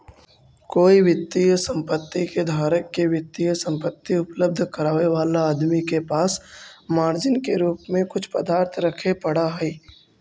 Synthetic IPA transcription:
koːiwɪt̪ːijəsə̃mpət̪ːiked̪ʱaːɾəkːeʋɪt̪ːijəsə̃mpət̪ːiʊpləb̚d̪ʱkəɾaːʋeʋaːlaaːd̪mikepaːsmaːɾd͡ʒɪnkeɾuːpmẽkʊt͡ʃʰpəd̪aːɾt̪ʰɾɐkʰepɐɽ̤aɦɛi

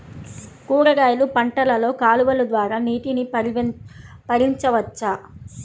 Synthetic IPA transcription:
kuːɾɐɡaːjɐlupɐɳʈɐlɐlo̞ːkaːluʋɐlud̪ʋaːɾaːniːʈini | pɐɾiɲt͡ʃɐʋɐt͡ʃːa

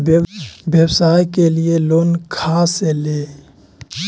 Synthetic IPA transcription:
bjəwsaːjkelɪeloːnkʰaːseleː

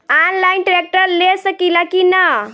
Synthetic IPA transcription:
anlajnʈɾek̚ʈəɾlesəkilakina

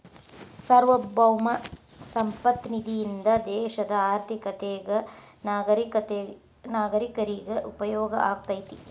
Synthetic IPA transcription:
sɐɾʋɐbɐwmɐ | sɐmpɐt̪nid̪ʱijind̪ɐd̪ɛːʃɐd̪ɐaːɾt̪ʰikɐt̪eːɡɐ | naːɡɐɾikɐt̪e | naːɡɐɾikɐɾiɡeʔupɐjɔːɡɐ̰ʔaːɡ̚t̪ɐjit̪i

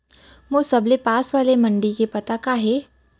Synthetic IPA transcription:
mosɐblepaːsʋaːlemɐ̃ɳɖikepɐt̪akaːɦe

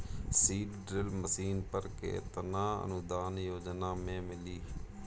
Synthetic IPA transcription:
siːɖɖɾɪlməsiːnpəɾkḛːt̪ənãːə̰nʊd̪aːnjoːd͡ʒnaːmẽːmɪliː

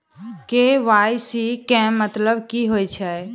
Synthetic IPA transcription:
keʋajsikɛ̃mət̪ləbkiɦojt͡ʃʰɛ

